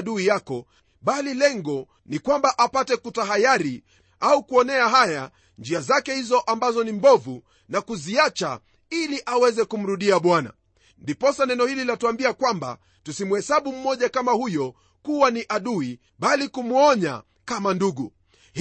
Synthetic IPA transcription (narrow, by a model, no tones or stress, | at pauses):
ɗuijakɔ | ɓalilɛŋɡɔ | nikwambaʔapatɛkutaɦajaɾi | aukuɔnɛaɦaja | nd͡ʒiazakɛhizɔʔambazɔnimbɔvu | nakuziat͡ʃa̰ | iliʔawɛzɛkum̩ɾuɗiaɓwana̰ | ndipɔsanɛnɔhililatuambiakwamba̰ | tusimuhɛsaɓum̩mːɔʄakamahujɔ | kuwaniʔaɗui | ɓalikumuɔɲa̰ | kamanduɡu | h